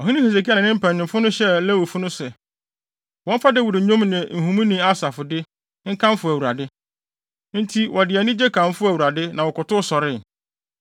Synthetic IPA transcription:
ɔ˨ɦĩ˦nĩ˦se˨s̬e˨kʰi˦a˦˨nɪ̃˨nɪ̃˦m̩˦pʰæ̃˨n˨ɪ̃˨mfʊ˦nʊ̃˦ɕɛ˦lɛ˦˨wu˨fʊ˦nʊ̃˦sɛ˨ | wɔ̃˦m̩˦fa˦dɪ˦wu˨ɾɪ˨˦ɲõ˦mnɪ̃˨n̩˨ɦũ˨mũ˦nĩ˦a˦sa˨fʊ˨dɪ˦ | ŋ̩˦kʰã˦m˦fʊ˨æ˨wu˨ɾa˨dɪ˦ | n̩˦tʰi˦wʔɔ˨dɪ˨ɛ˨nɪ̃˦d͡ʑe˦kʰã˨m˦fʊ˦æ˨wu˨ɾa˨dɪ˦nã˨wɔ˨kʊ˨tʊ˦sɔ˨ɾɪ˦˨

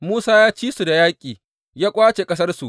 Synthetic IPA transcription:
muː˦saː˦jaː˦t͡ʃiː˦su˨da˨jaː˦kʲʼiː˨ | jaː˦kʷʼaː˦t͡ʃe˨kʼɐ˦s̬ɐ˦rsu˨ʔ

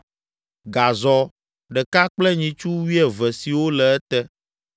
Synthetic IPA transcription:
ɡa˨zɔ˦ | ɖɛ˨ka˦k͡plɛ˦ɲĩ˨t͡ʃu˦wi˦ɛ˨vɛ˨si˨wo˦lɛ˨ɛ˦t̪ɛ˦

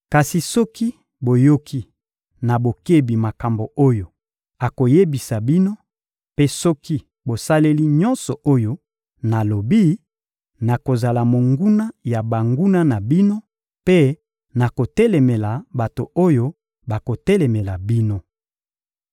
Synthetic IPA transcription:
ka˨si˨sɔ˦ki˦ | bo˨jo˦kʰi˦ | na˨bo˨ke˦bi˨ma˨ka˨mbo˨ʔo˦jo˨ | a˨ko˨je˦bi˨sa˨bi˦no˦ | pe˦sɔ˦ki˦ | bo˨sa˦le˦li˦ɲɔ̃˦nsɔ˨ʔo˦jo˦ | na˨lo˨bi˦ | na˨ko˨za˨la˨mo˨ŋɡu˦na˦ja˨ba˨ŋɡu˦na˦na˨bi˦no˦ | pe˦ | na˨ko˨tɛ˦lɛ˨mɛ˨la˨ba˨to˨o˦jo˦ | ba˨ko˨tɛ˦lɛ˨mɛ˨la˨bi˦no˦

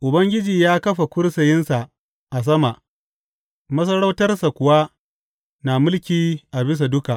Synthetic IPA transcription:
ʔʊ˨bɐ˦ŋɡʲɪ˦d͡ʒiː˨jaː˦kɐ˦ɸa˨kʷʊ˦rsɐ˨jɪ˦nsa˨ʔ | ʔa˨s̬ɐ˦ma˨ʔ | mɐ˦s̬ɐ˦ɽa˦wtɐ˦rsa˨kʷʊ˨wa˦ | naː˨mʊ˦lkʲiː˨ʔa˨bɪ˦s̬a˨dʊ˦ka˨ʔ

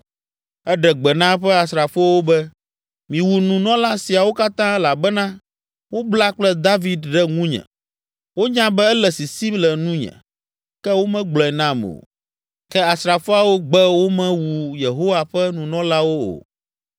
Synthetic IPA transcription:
ɛ˦ɖɛ˨ɡ͡bɛ˨nã˦ɸɛ˦a˨sɾa˨fo˦wo˦bɛ˦ | mĩ˨wu˨nũ˨nɔ̃˦la˦si˨a˨wo˦ka˦t̪ã˦la˨bɛ˦nã˦ | wo˦bla˦k͡plɛ˦d̪a˦vi˨d̪ɖɛ˦ŋũ˦ɲɛ̰̃˨ | wo˦ɲã˦bɛ˦ɛ˦lɛ˨si˨si˦mlɛ˨nũ˦ɲɛ̰̃˨ | kɛ˦wo˦mɛ̃˦ɡ͡blɔ˨ɛ˨nã˦mo̰˨ | kɛ˦a˨sɾa˨fo˦a˨wo˦ɡ͡bɛ˦wo˦mɛ̃˦wu˨je˨ɦo˦wa˨ɸɛ˦nũ˨nɔ̃˦la˦wo˦o̰˨

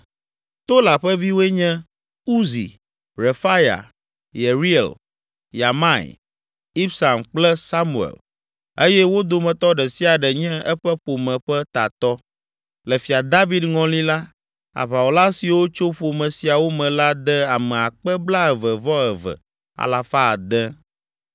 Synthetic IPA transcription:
t̪o˦la˨ɸɛ˦vi˦wo˦ɛ˦ɲɛ̃˦ | u˦zḭ˨ | ɾe˨fa˦ja̰˨ | je˨ɾi˦ɛ̰˨l | ja˨mã˦˨ḭ˨ | i˦bsa˨mk͡plɛ˦sa˦mu˨ḛ˨l | e˦jɛ˦wo˦d̪o˨mɛ̃˨t̪ɔ˦ɖɛ˨si˦a˨ɖɛ˨ɲɛ̃˦ɛ˦ɸɛ˦ɸo˨mɛ̃˨ɸɛ˦t̪a̰˨t̪ɔ˦ | lɛ˨fi˨a˨d̪a˦vi˨d̪ŋɔ̃˨li˦la˦ | a̰˨βa˨wo˨la˦si˨wo˦t͡ʃo˦ɸo˨mɛ̃˨si˨a˨wo˦mɛ̃˨la˦d̪ɛ˦a˨mɛ̃˨a˨k͡pɛ˦bla˦ɛ˨və˨vɔ˦ɛ˨vɛ̰˨ | a̰˨la˨fa˦˨d̪ɛ̃˦

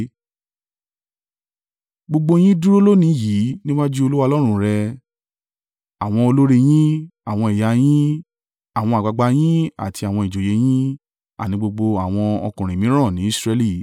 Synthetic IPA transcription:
ɡ͡bo˧ɡ͡bo˧j̃ĩ˦du˦ɾo˦lo˦nĩ˨˦ji˨˦nĩ˦wa˦d͡ʒu˦o˧lu˦wa˧lɔ˦ɾ̃ũ˦˨ɾɛ˧ | a˨w̃ɔ̃˧o˧lo˦ɾe˧j̃ĩ˦a˨w̃ɔ̃˧i˨ja˨˦j̃ĩ˦ | a˨w̃ɔ̃˧a˨ɡ͡ba˧ɡ͡ba˧˦j̃ĩ˦a̰˨tʰi˧a˨w̃ɔ̃˧i˨d͡ʒo˨je˨˦j̃ĩ˦ | a̰˦˨nĩ˨˦ɡ͡bo˧ɡ͡bo˧a˨w̃ɔ̃˧ɔ̰˧kũ˨ɾ̃ĩ˨mĩ˨˦ɾ̃ã˦˨nĩ˨˦˨sɾɛ˧li˦˨

